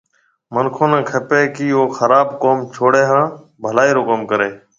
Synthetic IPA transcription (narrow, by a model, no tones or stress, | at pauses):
mənkʰoːnẽːkʰəpeːkiːoːxəɾaːbkoːmt͡ʃʰoːɽeːɦãː | bʱəlaːiːɾoːkomkəɾeː